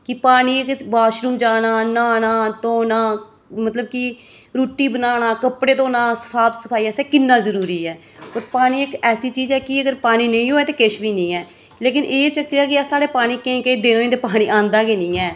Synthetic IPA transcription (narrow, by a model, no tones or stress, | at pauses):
kɪpaːñiːɪkbaːʃɾuːmd͡ʒaːnaːnaːnaːt̪õːnãː | mət̪ləb̚kɪ | ɾuːʈiːbənaːɽ̃ãːkəpɽeːt̪õːnãːsə̥pʰaːbsəpʰaːiɛːsɛːkɪnːãːzəɾuːɾiːɛː | oːɾpaːñiːɪkɛːsiːt͡ʃiːzɛːkɪəɡəɾpaːniːnəĩːɦoːɛːt̪eːkɪʃbiːnĩːɛː | leːkɪnʔeːt͡ʃəkːaːkɪasaːɽeːpaːniːkẽked̪eːnõːẽːd̪eːpaːɽ̃iːãːnd̪aːkeːnɪ̃ːɛː